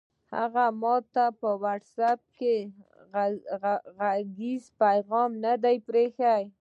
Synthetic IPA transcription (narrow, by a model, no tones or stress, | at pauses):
ha̰ɣamɑt̪apəwaʈsap̚ke | ɣaɡizpajɣɑmnad̪ajpɾexaj